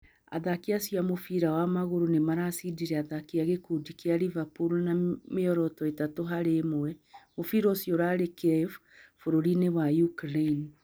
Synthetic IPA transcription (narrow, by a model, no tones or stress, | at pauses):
a̰ðakiasjamofiɾawamaɣoɾonemaɾasidiɾɛaðakiaɣekudikeaɾivapoɾonameɔɾɔtɔetatoɦaɾemoɛmofiɾɔsjɔɾaɾekf | foɾoɾinewajukɾein